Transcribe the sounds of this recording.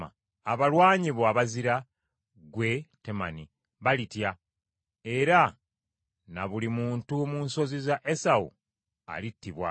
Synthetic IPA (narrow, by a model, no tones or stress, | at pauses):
a̰ | aβalwaːɲiβoaβaziɾa | ɡwe̞te̞ma̰ni | βalitja | e̞ɾa | naβulimuːntumunso̞zizaʔesaṵ | a̰litːiβwa̰